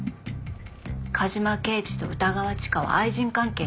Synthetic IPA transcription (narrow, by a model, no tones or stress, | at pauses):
kʰaʑimake̞ːt͡ɕi̥t̪o̞̰ɯ̟t̪aɡaβ̞at͡ɕi̥kaβ̞a̰aiʑĩŋkãŋke̞ː